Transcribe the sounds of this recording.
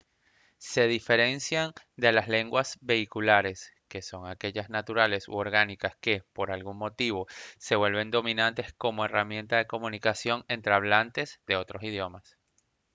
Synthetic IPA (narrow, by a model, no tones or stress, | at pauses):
se̞ð̞ife̞ɾe̞nsjan | d̪e̞lasle̞ŋɡwazbe̞ikulaɾe̞ske̞so̞ŋake̞ʝaznat̪uɾale̞so̰oɾɣanikaske̞po̞ɾalɣuŋmo̞t̪iβ̞o̞se̞βwe̞lβe̞nd̪o̞mĩnant̪e̞sko̞mo̞e̞ramjẽ̞nt̪aðe̞ko̞munikasjo̞ŋe̞nt̪ɾeaβ̞lant̪e̞zd̪e̞o̞t̪ɾo̞sið̞jo̞mas